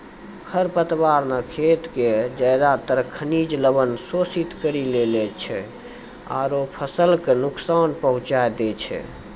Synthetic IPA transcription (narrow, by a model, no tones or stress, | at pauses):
kʰəɾpət̪baɾnəkʰet̪ked͡ʒəd̪at̪əɾkʰːənid͡ʒləbənsosit̪kəɾilelɛt͡ʃʰɛ | a̰ɾopʰəsəlkenuksanpəɦũt͡ʃaed̪ɛt͡ʃʰɛ̰